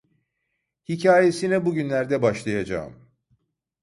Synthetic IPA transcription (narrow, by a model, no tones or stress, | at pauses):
hicʰaːje̞sinɛbuɟynlʲæɾd̪ɛbaʃlˠajad͡ʒa̰ːɯ̰m